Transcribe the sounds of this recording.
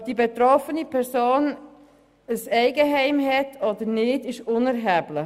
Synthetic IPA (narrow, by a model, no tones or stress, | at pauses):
d̥ibetɾɔfənipʰɛɾsoːn | əsɛɪɡəɦɛɪmɦɛtʰɔd̥əɾnɪːdɪʃʊnæɾɦæːblɪ